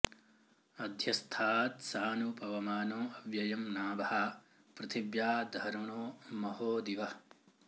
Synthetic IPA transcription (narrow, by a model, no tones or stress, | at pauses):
ɐd̪ʱjɐst̪ʰaːt̪saːnupɐʋɐmaːnoːɐʋjɐjɐmnaːbɐɦɐ | pɾɐt̪ʰibjaːd̪ʱɐɾɳoːmɐhoːd̪iʋɐ